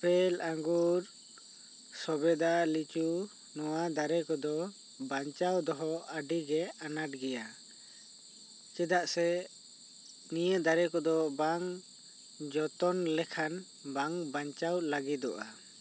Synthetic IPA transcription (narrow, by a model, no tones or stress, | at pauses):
pɛlaŋɡuɾ | sɔbɛd̪alit͡ʃu | nɔwad̪aɾɛkɔd̪ɔ | baɲt͡ʃawd̪ɔɦɔaɖiɡɛanaʈɡɛja | t͡ʃɛd̪aʔsɛ | nijəd̪aɾɛkɔd̪ɔbaŋ | d͡ʒɔt̪ɔnlɛkʰan | baŋbaɲt͡ʃawlaɡid̪ɔʔa